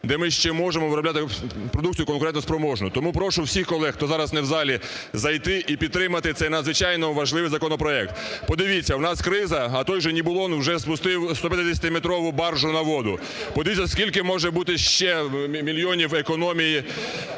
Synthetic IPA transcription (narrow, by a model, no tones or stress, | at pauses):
d̪ɛmɪʃt͡ʃɛmɔʒemɔʋɪɾɔblʲat̪ɪpɾɔd̪uk̚t͡sʲijʊkɔnkʊɾɛt̪nɔspɾɔmɔʒnʊt̪ɔmupɾɔʃʊwsʲixkɔlˠɛxt̪ɔzɑɾɐsnɛwzɑlʲi | zɐjt̪ɪʔipʲid̪̚t̪ːɾɪmɐt̪ɪt̪sɛjnɐd̪zʋɪt͡ʃɑjnɔʋɐʒlˠɪʋɪjzɐkɔnɔpɾɔɛk̚t̪pɔd̪ɪʋʲit͡sʲːɐwnɑskɾɪzɐːt̪ɔjʒɛnʲibʊlˠɔnwʒɛspʊst̪ɪwst̪ɔpʲjɐt̪ɪd̪ʲesʲɐt̪ʲɪmet̪ɾɔʋʊbɑrʒʊnɐʋɔd̪ʊ | pɔd̪ɪʋʲitʲt͡sʲɐskʲilʲkɪmɔʒɛbut̪ɪʃt͡ʃɛmʲilʲjɔnʲiwekɔnɔmʲiji